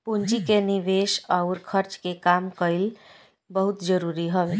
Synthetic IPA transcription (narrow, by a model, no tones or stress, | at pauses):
pund͡ʒikenɪʋeːʃaʊɾkʰəɾt͡ʃkekaːmkəɪl | bəɦʊt̪d͡ʒəɾuːɾiɦoʋe